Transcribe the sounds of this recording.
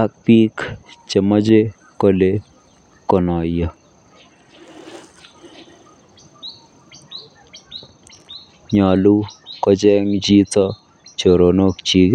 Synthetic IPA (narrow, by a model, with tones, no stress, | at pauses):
a˦k̚pi˦kt͡ʃe˨mɔ˦d͡ʒe˦ | ko˦le˦ | kɔ˨nɔ˨jɔ˨ | ɲɔ˨lu˦kɔ˦d͡ʒɛ˦ŋd͡ʒi˦t̪ɔ˦ | t͡ʃo˨ɾo˨no˦kt͡ʃi˨ɡ